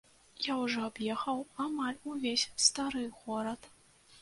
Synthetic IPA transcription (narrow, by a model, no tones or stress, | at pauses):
jawʐɔabjɛxɐwamalʲuvʲesʲst̪aɾɨɣɔɾɐt̪